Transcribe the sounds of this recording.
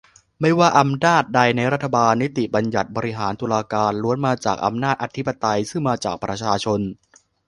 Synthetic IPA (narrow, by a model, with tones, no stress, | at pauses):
ma˥˩jwaː˥˩ʔa˧mnaː˥˩t̪̚da˧jna˧jɾa˦˥t̪ʰːa˧baː˧nːi˦˥t̪i˨˩ba˧nja˨˩t̪̚bɔː˧ɾi˦˥ɦaː˩˦nt̪uː˧laː˧kaː˧nɾu˧˦ənmaː˧t͡ɕa̰ː˨˩k̚ʔa̰˧mnaː˥˩t̪̚ʔa˧t̪ʰi˦˥pːa˧t̪a˧jsɯ˥˩ŋmaː˧t͡ɕa̰ː˨˩k̚pɾa˧t͡ɕʰaː˧t͡ɕʰo˧n